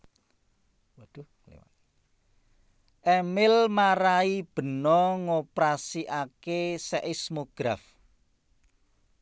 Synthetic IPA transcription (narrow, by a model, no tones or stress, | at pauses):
wd̪̥ṵ | ʔɛmɪlmaɾaib̥ə̤nɔŋopɾasiʔakesɛʔismoɡ̥ɾaf